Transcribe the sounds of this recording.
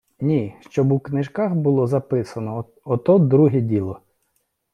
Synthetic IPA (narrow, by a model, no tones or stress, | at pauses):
nʲiʃt͡ʃɔbuknɪʒkɑxbʊlˠɔzɐpɪsɐnɔ | ɔt̪ɔd̪ɾuɦɛdʲilˠɔ